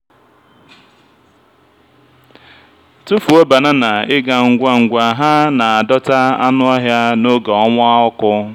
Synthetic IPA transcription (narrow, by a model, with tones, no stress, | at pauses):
tu˦fu˨o˦ba˨na˦na˨ɪ˦ɡa˨ŋ̩˨ɡʷa˦ŋ̩˨ɡʷa˨ɦa˦na˨a˨dɔ˦ta˦a̰˦nʊ˦ɔ˦ɦja˦no˦ɡa˨ɔ˦ŋʷʊ˦a˦ʊ˦kʊ˦